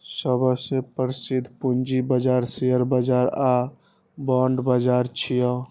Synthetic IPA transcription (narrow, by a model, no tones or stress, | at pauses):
səbəsepəɾsid̪ʱpund͡ʒibəd͡ʒaɾseəɾbəd͡ʒaɾa | bɔɳɖbəd͡ʒaɾt͡ʃʰijɔ